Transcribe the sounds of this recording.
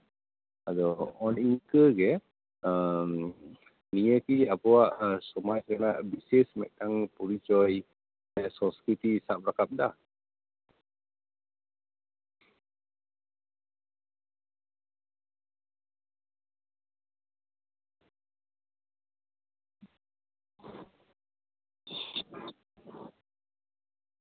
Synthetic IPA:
adoɔniŋkəɡɛ | əm | nijəkiapəwaʔəsumat͡ʃkənaʔbisismɛʔt̪aŋpuɾit͡ʃɔj | ɛsɔskit̪isaʔbɾakap̚dah

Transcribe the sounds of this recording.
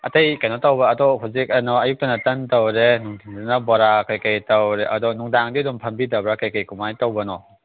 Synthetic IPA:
ɐ̰tejkajnɔtawbɐːdɔɦawzik̚ɐnɔɐjuk̚tɐnɐtɐntɐwɾenuŋtʰiŋdanɐbɔɾakajkajtɐwɾeʔɐdɔnuŋdaŋdidumpʰɐmbidɐbɾakajkajkumajtawbɐnɔ

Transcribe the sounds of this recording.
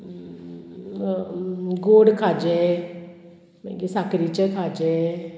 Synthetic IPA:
ɡoːɽkʰaːd͡ʒɛ | mɛ̰̃ɡisaːkɾit͡ʃəkʰaːd͡ʒɛ

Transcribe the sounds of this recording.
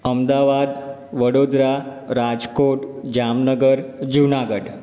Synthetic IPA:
əmd̪aʋad̪ | ʋəɽod̪ɾa | ɾad͡zkoʈd͡ʑamnəɡəɾd͡ʑunaɡəɽ

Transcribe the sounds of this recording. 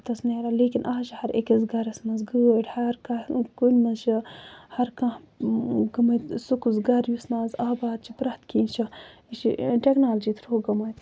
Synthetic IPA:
t̪ɐsneːɾaːleːkʲinʔaːɦʃihɐɾḛkizɡɐɾɐsmɐzɡəːʈʲhɐɾkɐkunʲmɐzʃihɐɾkãh | ɡɐmɐjt̪sukuzɡɐɾjusnaːzaːbaːd̪̚t͡ʃʰipɾɐht̪kiːnt͡ʃʰɐit͡ʃḭʈeknaːld͡ʒiːt̪ʰɾoːɡɐmɐjt̪

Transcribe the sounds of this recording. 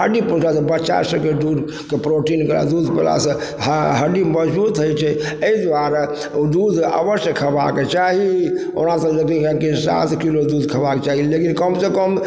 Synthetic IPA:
ɦəɖipɾot͡ʃasəbət͡ʃʃa̰ɾsəb̚ked̪ud̪ʱ | kepɾoʈinkəɾa̰d̪ud̪ʱpela̰sə̃ | ɦəɖiməd͡ʒbut̪ɦojt͡ʃʰɛ | əid̪aɾ | d̪ud̪ʱa̰bəɾsəkʰəba̰ket͡ʃaɦio̰nasəd͡ʒəɡikə̃kisa̰t̪kilod̪ud̪ʱkʰəbaket͡ʃaɦilekinkəmsə̃kəm

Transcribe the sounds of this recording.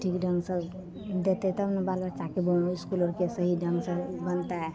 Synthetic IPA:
ʈʰiːkɖə̃ŋɡsə | d̪et̪eɛt̪ɐmnebalbaɾt͡ʃakeboɪskulɔːɾkesəɦiɖə̃ŋɡsəbənt̪aɦɛ

